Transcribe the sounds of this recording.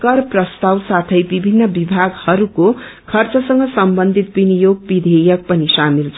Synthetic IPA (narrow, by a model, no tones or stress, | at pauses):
kʌrprʌst̪awsat̪ʰʌjbibʱinːʌbibʱaɡhʌɾuko | kʰʌrt͡sʌsʌŋɡʌsʌmbʌnd̪ʱit̪̚binijoɡbid̪ʱejʌk̚pʌnisamilt͡sʰ